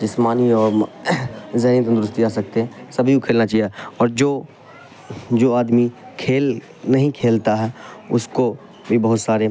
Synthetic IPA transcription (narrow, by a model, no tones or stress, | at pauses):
d͡ʒɪsmaːniɔːɾ | zɐɦniːət̪ə̃nd̪ɾʊst̪iaːsɐk̚t̪eɦɛ̃sɐbʱikokʰeːlnat͡ʃaːɦiɛɔːɾd͡ʒoː | d͡ʒoːaːd̪mikʰeːl | nɐɦĩkʰeːlt̪aɦɛːʊsko | bʱibɐɦʊt̪saːɾe